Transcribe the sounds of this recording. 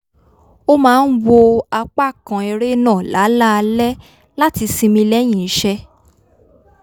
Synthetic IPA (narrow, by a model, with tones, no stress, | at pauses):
o˦mãː˦˧n̩˦wo˧a˧k͡pa˦˨kã˨ɛ˧ɾe˦nãː˦˨la˨˦la˦˧lɛ˦ | la˦ti˧sĩ˧mĩ˧lɛ˦j̃ĩ˨˦ʃɛ˦